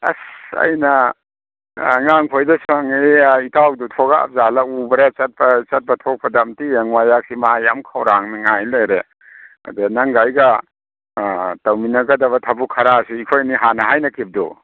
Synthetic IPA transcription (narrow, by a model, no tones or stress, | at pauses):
ɐ̰sɐ̰jnɐ | ŋaŋpʰojdɐsuaŋiitawdutʰoɡaa̰p̚zalakubɾet͡ʃɐt̚pɐt͡ʃɐt̚bɐtʰɔk̚pʰɐdamtijeŋwajak̚simajamkʰawɾaŋniŋajlajɾe | ɐ̰denaŋɡajɡɐ | tɐwminɐɡɐdɐβɐtʰɐbukʰɐɾasuikʰojniɦanɐɦajnɐkib̚dṵ